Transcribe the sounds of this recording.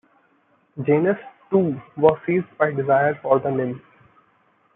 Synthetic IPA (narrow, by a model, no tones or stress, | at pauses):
d͡ʒeːnəsʈuːʋɔːzsiːzɖbaɪɖɪzaɪəɾfɔːɾd̪ənɪ̃m